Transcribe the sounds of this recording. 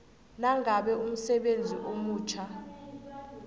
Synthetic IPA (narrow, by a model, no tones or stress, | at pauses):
naŋʱaɓɛum̩sɛɓend͡zʱiʔomuːt͡ʃʰa